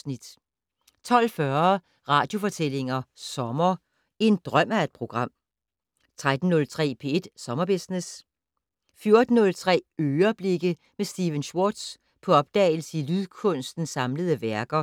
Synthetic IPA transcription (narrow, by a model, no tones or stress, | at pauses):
nid̥ | t͡sʰɒ̽l̰fɶɐ | ʁɑ̈ːd̥jo̝fɒ̽t͡sʰel̰e̝ŋɐsɒ̽mɐ | e̝nd̥ʁɶm̰æe̝d̥̚pʰʁo̝ɡ̥ʁɑ̈m̰ | t͡sʰʁad̥n̩ːɔ̽lt͡sʰʁɛ̰ːpʰe̝̰e̝d̥sɒ̽mɐb̥e̝snes | fjo̝ɐd̥n̩nɔ̽lt͡sʰʁɛ̰ːøːɐb̥le̝ɡ̥ə | mesd̥iʋənɕwod̥s | pʰɒ̽ɒ̽b̥̚d̥ɛ̰ːɪl̩səilyðˠkʰɔ̽n̰sd̥n̩sɑ̈mləð̞ˠəʋæɐɡ̥ɐ